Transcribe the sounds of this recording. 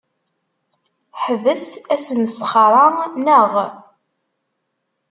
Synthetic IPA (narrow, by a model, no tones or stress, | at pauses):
ħəvəsæsənəsχɑɾˤɑnəʁ